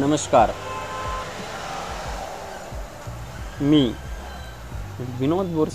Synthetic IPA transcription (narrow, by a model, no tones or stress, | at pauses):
nəməskaːɾ | miː | ʋinoːt̪boɾs